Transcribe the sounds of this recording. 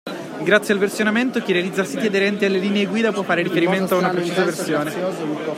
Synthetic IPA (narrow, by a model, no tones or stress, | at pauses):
ɡɾat̪sːjealversjonament̪ok̟irealid̪zːasit̪jɛːd̪eɾɛnt̪ialːeliːneeːɡwiːd̪apwɔfːaːɾeɾifeɾiment̪oaunapɾet͡ʃiːzaversjoːne